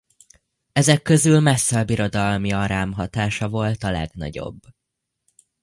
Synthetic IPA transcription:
ɛzɛkːø̞zylmɛsːɛbiɾo̞d̪ɒlmiɒɾaːmɦɒt̪aːʃɒvo̞lt̪ɒlɛ̰ɡnɒ̰ɟo̞̰bː

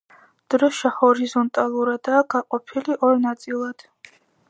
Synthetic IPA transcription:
d̪̥ɾɔʃahɔɾizɔnt̪ʼalˠuɾad̪aːɡaqʼɔpʰiliʔɔɾnat̪sʼilˠad̪̥

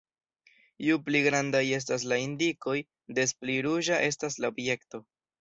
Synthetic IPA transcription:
jupliɡɾandaje̞s̬tas̬laindiko̞j | de̞spliɾuʒaʔe̞s̬taslaobje̞kto̞

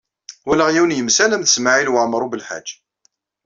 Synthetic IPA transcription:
wælæʁjiwnjəmsælæmθəsmaʕilwəʕmɾˤubəlħa̰̥d͡ʒː

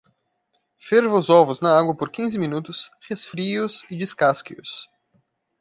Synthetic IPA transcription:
feɾvozɔvʊznɐaɡwɐpoɾkʲĩzɪmĩnut̪ʊshesfɾiʊsɪd͡ʒiskaskiʊs

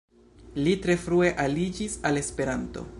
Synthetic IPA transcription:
litɾe̞fɾueʔalid͡ʒisale̞spe̞ɾanto̞̰

